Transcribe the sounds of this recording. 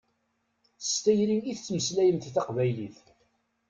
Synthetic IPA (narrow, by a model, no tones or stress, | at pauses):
θəst̪æjɾimiθt͡sːməslæjənt̪iθɑqvæjliθ